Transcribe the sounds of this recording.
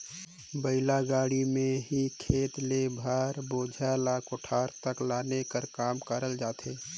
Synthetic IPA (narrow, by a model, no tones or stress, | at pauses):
bəɪlaɡaːɽimẽɦikʰeːt̪lebʱaːɾboːd͡ʒʱalaːkʊʈʰaːɾt̪əklaːnekəɾkaːmkəɾəld͡ʒaːt̪ʰeː